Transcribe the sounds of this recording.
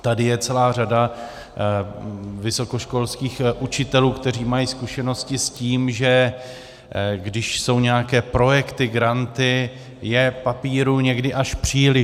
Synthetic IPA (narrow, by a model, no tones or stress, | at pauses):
t̪adɪjɛt͡sɛlaːr̝ada | vɪso̞ko̞ʃko̞lskiːxʔut͡ʃɪt̪ɛluːkt̪ɛr̝iːmajiːskuʃɛno̞scɪsciːmʒɛ | ɡdɪʃso̞wɲɛakɛːpɾo̞jɛkt̪ɪɡɾant̪ɪ | jɛpapiːɾuɲɛɡdɪʔaʃpr̝̥iːlɪ